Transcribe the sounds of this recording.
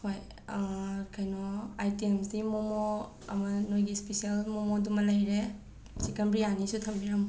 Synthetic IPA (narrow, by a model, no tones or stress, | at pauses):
hoj | kʰajnɔajtemsimomɔ | ɐmanojɡispesialmomodumalajɾe | sikɐmbɾianisutʰɐmbiɾam